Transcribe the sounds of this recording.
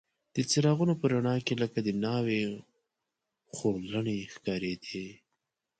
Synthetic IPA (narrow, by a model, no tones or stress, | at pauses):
d̪̥ət͡sɪɾɑɣunopəɾaɳɑkeləkad̪ənɑwe | xoləɳexkɑɾed̪e